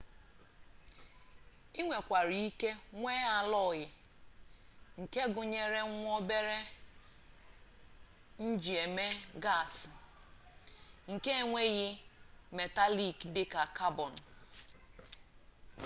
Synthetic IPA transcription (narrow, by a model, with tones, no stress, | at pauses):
i˦ŋʷe˨kʷa˨ɾi˨˦i˦ke˦ŋʷe˦a˨lɔ˦˨ɣɪ˨ | ŋ̩˨ke˦ɡʊ˨ɲe˦ɾe˦ŋʷ˦o˦be˦ɾe˦ | n̩˦d͡ʒi˨e˨me˦ɡa˦˨s | ŋ̩˨ke˦e˦˨ŋʷe˦ɣɪ˦me˨ta˦li˨kdɪ˨ka˨ka˦bɔ˨n̩˨